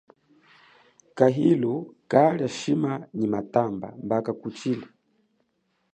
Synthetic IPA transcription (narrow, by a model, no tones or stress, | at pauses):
kaɦilɔkaljaʃimaɲimatamba̰mbakakut͡ʃilɛ